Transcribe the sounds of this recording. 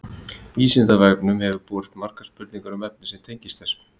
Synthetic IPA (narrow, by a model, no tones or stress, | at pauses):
iːsɪnt̪avajpnʏmhɛvʏɾpuːɾɪht̪mar̥kḁspʏɾt̪niŋkaɾʏmɛp̚nɪsɛmt̪ʰejɲcɪst̪θɛs